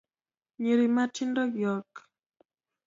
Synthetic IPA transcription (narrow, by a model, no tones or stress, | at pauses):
ɲeɾimatʰindɔɡjɔk